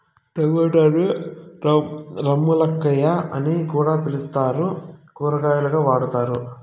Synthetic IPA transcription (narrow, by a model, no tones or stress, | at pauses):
t̪ɐʋɐʈɐd̪u | ɾɐmːulɐkːɐjaʔɐnikuːɽaːpilust̪aːɾukuːɾɐɡaːjuluɡaːʋaːɽut̪aːɾu